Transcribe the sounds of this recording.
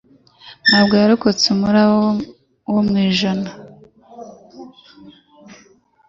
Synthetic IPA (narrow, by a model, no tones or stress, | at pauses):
naːbɡaːɾukot͡sumuɾa | womwiːʒana